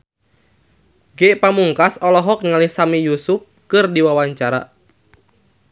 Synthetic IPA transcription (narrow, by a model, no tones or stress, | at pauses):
ɡɛʔpamuŋkasɔlɔɦɔk̚nŋalihsamijusup̚kɨrdiwawaɲt͡ʃaɾa̰